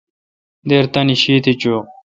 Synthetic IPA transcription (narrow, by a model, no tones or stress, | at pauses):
d̪eːɾt̪ɐniɕiːt̪it͡ɕoː